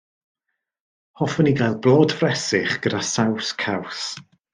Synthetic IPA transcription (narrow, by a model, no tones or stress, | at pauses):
hɔfɔniɡajlˠblˠɔːdfrɛsɪχɡ̥ədasawskʰaws